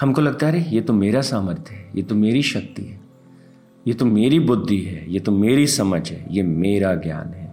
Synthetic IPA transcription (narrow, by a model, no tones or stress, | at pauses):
hɐmkolɐɡ̚t̪aɦɛɾejeːt̪omeːɾasaːməɾt̪ʰjɦɛjeːt̪omeːɾiʃɐk̚t̪ḭɦɛː | jeːt̪omeːɾibʊd̪ʱːiɦɛːjeːt̪omeːɾisɐməd͡ʒɦɛ̰ːjeːmeːɾaɡja̰ːnɦɛː